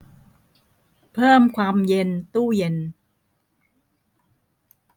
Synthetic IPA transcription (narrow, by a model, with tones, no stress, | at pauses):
pʰɤː˥˩mkʰwaː˧mje˧nt̪uː˥˩je˧n